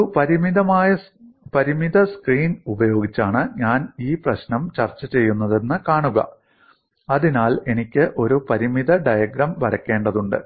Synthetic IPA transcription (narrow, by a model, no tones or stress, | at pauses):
pɐɾimid̪ɐmaːjɐ | pɐɾimiðɐskriːnubɐjo̞ːɡit͡ɕːaːɳɨɲaːniːprɐɕnɐmt͡ɕɐrt͡ɕːɐt͡ɕe̞jːunːɐðe̞nːɨkaːɳuɣɐ̰ | ɐðinaːle̞nikʲːɨʔo̞ɾupɐɾimiðɐɖɐjɐɡɾɐmʋɐɾɐkːe̞ːɳɖɐðuɳɖɨ̰